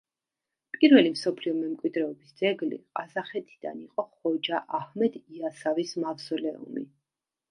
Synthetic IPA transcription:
pʼiɾvɛlimsɔpʰliɔmɛmkʼwid̪ɾɛɔbisd̪zɛɡlḭqʼazaχɛt̪ʰi̥d̪̥a̰niqʼɔχɔd͡ʒaʔahmɛd̪iasavismafsɔlɛṵmḭ

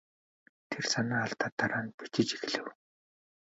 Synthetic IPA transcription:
t̪ʰersanaːaɮt̪aːt̪ːaɾaːnpit͡ɕɪ̆t͡ɕi̥xɮɘ̆w

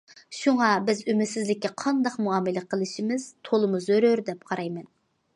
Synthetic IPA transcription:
ʃuŋɑbɪzymɪsɪzlɪkʲːɛqʰɑnd̪ɑqmuɑːmɪlɛqʰəlˠɨʃimɪz̥t̪ʰolˠɨmuzøɾøɾd̪ɛp̚qʰɑɾɑjmɛn

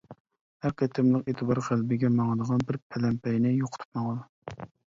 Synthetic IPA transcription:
hæɾkʲʰɛt̪ʰːɪmlˠəqet̪ʰɨbɑɾχælbɪɡʲɛmɑŋd̪əʁɑnbɪɾpʰɛlɛmpʰɛjnɪjoqʰʊ̥t̪ʰu̥pmɑŋd̪ɑ

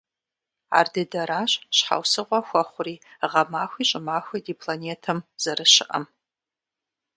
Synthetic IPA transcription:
a̰ːrdɨdɐɾaːɕɕħa̰wsɨʁʷɔxʷɐχʷʊriːʁɐmaːxʷiːɕʼɪmaːxʷidiːpʰlaneːtʰɨmz̥ɐɾɨʃɪʔɐ̰m

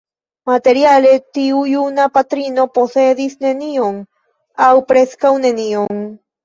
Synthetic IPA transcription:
mat̪eɾjalet̪iujunapat̪ɾinoposeðisnenioŋ | awpɾeskawnenioŋ

